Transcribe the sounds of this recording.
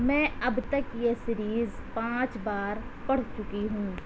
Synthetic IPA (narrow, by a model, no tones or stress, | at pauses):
mɛ̃ːɐbt̪ɐkjesɪɾiːzpãːt͡ʃbaːɾpɐɽ̤t͡ʃʊkiɦũː